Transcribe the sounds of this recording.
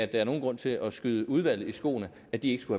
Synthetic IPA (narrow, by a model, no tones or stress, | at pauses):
æd̥ɑæɐno̝ːnɡʁɔ̽n̰t͡sʰe̝lʔɒ̽sɡ̥yð̞ˠəʔuð̞ˠʋæl̰ð̩ˠisɡ̥o̝̰ːnə | æd̥ie̝ɡ̥sɡ̥uhæ